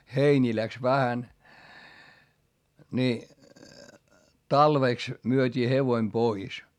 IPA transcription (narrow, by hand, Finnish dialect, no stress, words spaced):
heinʲiː læks ʋæhæn ni tɑlʋeˑks myøtʲiː heʋoĭm pois